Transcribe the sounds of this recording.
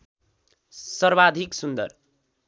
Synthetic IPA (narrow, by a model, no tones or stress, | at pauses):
sʌrbad̪ʱiksund̪ʌ̰r